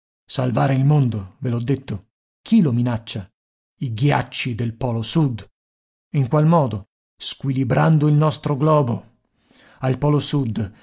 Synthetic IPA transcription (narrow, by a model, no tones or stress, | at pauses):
salvaːɾeilmond̪ovelɔd̪ːet̪ːo | kʰilominat͡ʃːa | iɡja̰t͡ʃːid̪elpɔːlosud̪ | iŋkwalmɔːd̪o | skwilibɾand̪oilnɔst̪ɾoɡlɔːbo | alpɔːlosud̪